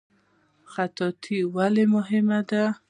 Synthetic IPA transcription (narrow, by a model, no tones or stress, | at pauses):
xat̪ɔt̪ʰiwalemʊɦɪmad̪a